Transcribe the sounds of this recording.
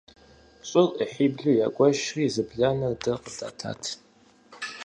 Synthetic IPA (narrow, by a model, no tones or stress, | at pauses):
ɕʼɪrʼəħiːbɮujaːkʷʼɔʃriːzɨbɮanɐrdɐqʼəda̰ːtʰa̰ːtʰ